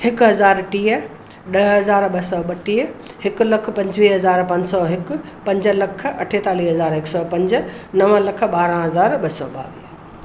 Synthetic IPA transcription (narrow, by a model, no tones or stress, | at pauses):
hɪkɦɐzaːɾʈiːə | ɗɐɦɐzaːɾɓɐsɔːɓɐʈiːɦhɪkʊ̆lɐk̆ʰpɐ̃ɲd͡ʑʋiːɦɐzaːɾpɐ̃ɲd͡ʑsɔɦɪkʊ̆ | pɐ̃ɲd͡ʑə̆lɐkʰɐ̰ʈʰeːt̪aːliːɦɐzaːɾɦɪksɔpɐ̃ɲd͡ʑənɐʋəlɐk̆ʰɓaːɾə̃ɦɐzaːɾɓɐsɔːɓa̰ːʋiː